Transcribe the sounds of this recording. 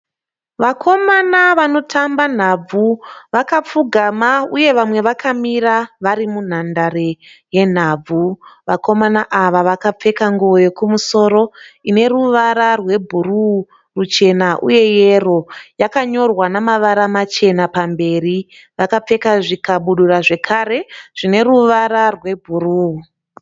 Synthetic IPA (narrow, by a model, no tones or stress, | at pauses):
ʋakʰo̞manaʋano̞tʰamban̤ab͡vuʋakap͡fuɡʱamauje̞ʋamwe̞ʋakʰamiraʋaɾimun̤andaɾe | je̞n̤aːb͡vʱuʋako̞manaʔaʋaʋakap͡fe̞kaŋɡuʋo̞je̞kumuso̞ːɾo̞ine̞ruʋaɾarwe̞bʱuru | rut͡ʃe̞naʔṵje̞je̞ro̞jakaɲo̞rwanamaʋaɾamat͡ʃe̞napambe̞ri | ʋakap͡fe̞kaʐikaɓuɗuraʐe̞kʰare̞ʐ̥ine̞ruʋaɾarwe̞bʱuruu